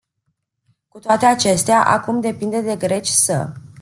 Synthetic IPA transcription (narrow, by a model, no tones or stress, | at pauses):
kut̪oat̪e̞at͡ʃe̞st̪eaʔa̰kumd̪e̞pind̪e̞d̪e̞ɡɾe̞t͡ʃʲsə̰